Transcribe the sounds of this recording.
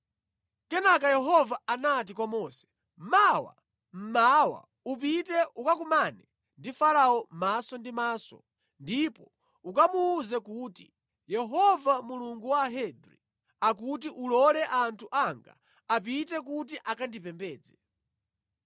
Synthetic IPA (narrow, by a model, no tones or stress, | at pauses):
kɛnakajɛɦɔvaːnat̬ikwamɔsɛ̥ | m̩mawa̰ | m̩mawa̰ | up̬itɛukakumanɛ | ndifalaɔmasɔndimaːsɔ̰ | ndipɔ | ukamuːzɛkuːti | jɛɦɔvamuluŋɡuwaɦɛdɾi | ak̬utiʔulɔlɛʔantʰuʔaŋɡa̰ | ap̬itɛk̬ut̬iʔakandipɛmbɛːd͡zɛ